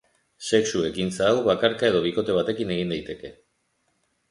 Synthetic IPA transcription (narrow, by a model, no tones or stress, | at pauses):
se̞ksue̞kint͡saːwβakaɾkae̞ð̞o̞β̞iko̞t̪e̞β̞at̪e̞kine̞ɣ̞ind̪ajt̪e̞ke̞